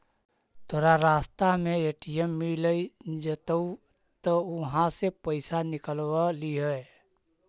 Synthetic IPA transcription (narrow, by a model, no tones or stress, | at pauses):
t̪ʰoːɾaɾaːst̪amẽeːʈijemːiləid͡ʒət̪əu | t̪oʊɦãsepəɪsanɪkəlwaliɦəe